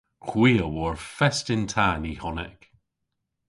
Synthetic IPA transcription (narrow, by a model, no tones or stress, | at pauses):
kʰwiːlˠwɔɹfɛstɪntʰaːnihɔnɪ̰k